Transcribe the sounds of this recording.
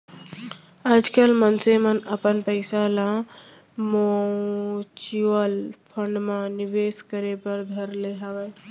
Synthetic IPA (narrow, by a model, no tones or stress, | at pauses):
ad͡ʒkəlmənsemənəpənpəɪsalã | mo | t͡ʃiʋəlpʰə̃ɳɖmãnɪʋeːskəɾepəɾd̪ʱəɾleːɦaʋeː